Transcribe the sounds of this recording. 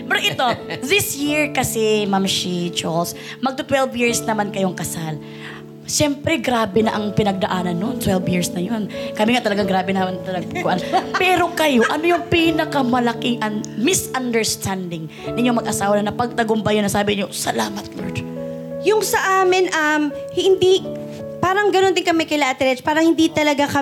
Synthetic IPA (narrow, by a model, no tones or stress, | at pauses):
pɛɾʔɪt̪o̞ðɪsjiɹkɐsɛmamʃid͡ʒols | mɐɡ̚t̪ʊt̪wɛlvjɪɹsnɐmankɐjoŋkɐsal | ʃɛmpɾɛɡɾaːbɛnɐʔɐŋpɪnɐɡ̚d̪ɐʔaːnɐnːont̪wɛlvjiɹsnɐjo̞nkɐmiŋat̪ɐlɐɡaŋɡɾaːbɛnɐɐnt̪ɐlɐɡ̚pʊɡʔanpɛːɾo̞kɐjo̞ʔɐnojʊŋpinɐkɐmɐlɐkɪŋʔɐnmɪsɐnd̪ɛɹst̪ʰand̪ɪŋ | nʔɪɲomɐɡʔɐsaːwɐnɐnɐpɐɡ̚t̪ɐɡʊmbɐjonːɐsaːbɪɲosɐlaːmɐt̪̚loɹd̪ | jʊŋsɐʔaːmɪnʔɐmhɪnd̪i | paːɾɐŋɡɐnond̪ɪŋkɐmɛkɪlaʔɐt̪ɛɾɛt͡ʃpaːɾɐŋhɪnd̪it̪ɐlɐɡakɐ